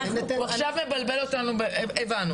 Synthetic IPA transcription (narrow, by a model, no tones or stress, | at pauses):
aχʃavmebalbelo̞tanubeevanu